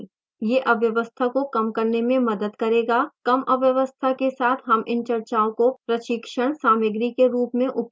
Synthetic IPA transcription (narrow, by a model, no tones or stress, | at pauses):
jeːʔɐʋjɐʋəst̪ʰakokɐmkɐɾnemẽmɐd̪əd̪kɐɾeːɡaːkɐmʔɐʋjɐʋəst̪ʰakesaːt̪ʰɦɐmʔɪ̃nt͡ʃɐɾt͡ʃaːõkopɾɐʃɪkʃəɽ̃saːmɪɡɾikeɾuːpmẽʔʊp